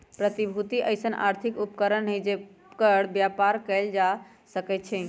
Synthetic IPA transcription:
pɾət̪ibʱut̪iʔəjsənʔa̰ɾt̪ʰikupkəɾənɦed͡ʒe | kəɽ̤bjapaɾkɛld͡ʒa | səkɛt̪̚t͡ʃʰɛ

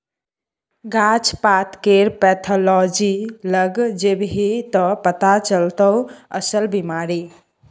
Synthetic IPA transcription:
ɡat͡ʃpat̪keɾpɛt̪ʰɔlɔd͡ʒiləɡd͡ʒebɦit̪əpət̪at͡ʃəlt̪əə̰səlbimaɾi

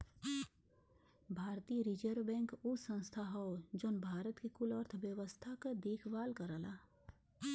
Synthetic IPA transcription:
bʱaːɾt̪iːɾid͡ʒəɾbɛ̃ːŋkʊsə̃nst̪ʰaɦɔd͡ʒoːnbʱaːɾət̪kekʊləɾt̪ʰʋjəʋəst̪ʰakad̪eːkʰʋaːlkɐɾalaː

